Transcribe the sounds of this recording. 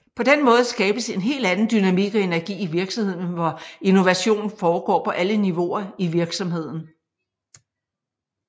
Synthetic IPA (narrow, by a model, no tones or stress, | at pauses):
pʰɒ̽d̥enmɔ̽ːð̞̩ˠsɡ̥ɛːb̥əse̝nɦe̝̰ːld̥ænn̩d̥ynæmiɡ̥ɒe̝næɐɡ̥ḭːiʋiɐɡ̥sɒmhe̝ð̰ˠnʋɒeno̝ʋæɕo̝̰ːnn̩fɒːɡ̥ɒ̰ːpʰɒ̽ʔæləniʋo̝ɐiʋiɐɡ̥sɒ̽mhe̝ð̞̰ˠn̩